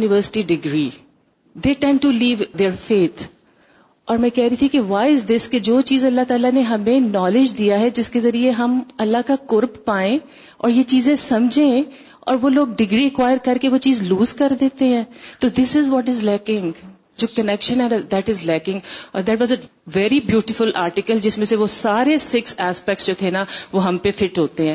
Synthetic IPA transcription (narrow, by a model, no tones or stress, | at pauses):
junɪʋəːɾsɪ̥ʈiɖɪɡɾḭ | d̪eːʈɛ̃ɳɖ̚ʈuliːʋd̪eɾfeːt̪ʰ | ɔːɾmɛ̃kɛɦɾɐɦit̪ʰikeʋaːɪzd̪ɪsked͡ʒoːt͡ʃiːzɐlːat̪aːlaneɦɐmẽnɔːlɪd͡ʒd̪ijaɦɛd͡ʒɪskezɐɾieɦɐmɐlːaɦkakʊɾbpaːẽ | ɔ̰ːɾjet͡ʃiːzẽsɐ̃md͡ʒʱẽ | ɔ̰ːɾʋoːloːɡ̚ɖɪɡɾiɐkwaːɪəɾkɐɾkeʋot͡ʃiːzluːzkɐɾd̪eːt̪eɦɛ̃ːt̪oːd̪ɪsɪzʋɔʈ̬ɪzlɛːkɪ̃ŋ | d͡ʒoːkənɛkʃə̃nɛd̪æʈɪzlɛːkɪ̃ŋɡɔ̰ːɾd̪æʈʋɔːzɛ | ʋɛɾibjuːʈɪfʊlaːɾʈɪkəld͡ʒɪsmẽseʋosaːɾesɪksɛːspɛk̚ʈsd͡ʒoːt̪ʰenaʋoɦɐ̃mpefɪʈɦoːt̪eɦɛ̃ː